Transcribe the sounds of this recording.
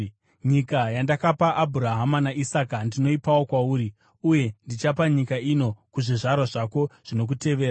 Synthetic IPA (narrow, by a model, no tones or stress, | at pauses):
ɲikajandakapaʔːbʱuɾaɦamanaʔisakandino̞ipawo̞kwauːɾi | uje̞ndit͡ʃapaɲikaino̞kuʐiʐaɾwaʐako̞ʐ̥ino̞k̬ute̞ʋe̞ːɾa